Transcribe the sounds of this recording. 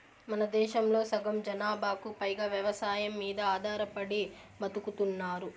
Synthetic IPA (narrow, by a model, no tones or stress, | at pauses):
mɐnɐd̪ɛːʃɐmlo̞ːsɐɡɐmd͡ʒɐnaːbaːkupɐjɡaːʋjɐʋɐsaːjɐmːiːd̪ɐaːd̪ʱaːɾɐpɐɽimɐt̪ukut̪unːaːɾu